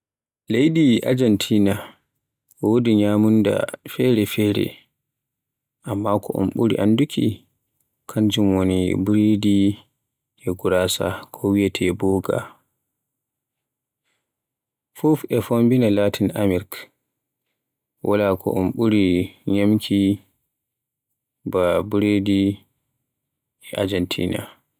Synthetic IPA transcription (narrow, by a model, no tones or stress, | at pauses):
lejɗiʔa̰d͡ʒantʰiːna | wodiɲamunda̰fɛɾɛfɛːɾɛ̰ | ʔamːakʰɔʔɔ̰mɓuɾḭʔandukʰi | kʰaɲd͡ʒumwonibɾidi | ʔɛɡuɾaːsa̰kʰɔwijɛtʰɛbɔɡa̰ | fufɛfombinalatinʔamiɾk | wʔalakʰɔ̰ʔɔmɓuɾiɲamkʰi | babuɾedi | ɛʔa̰d͡ʒɛntʰḭːna̰